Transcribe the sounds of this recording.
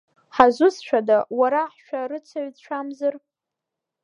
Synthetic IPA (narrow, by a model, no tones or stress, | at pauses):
ħazʷʊsʃʷᶣadawaɾaħʃᶣarɨt͡sʷʰaɥt͡ɕʷʰamzɨr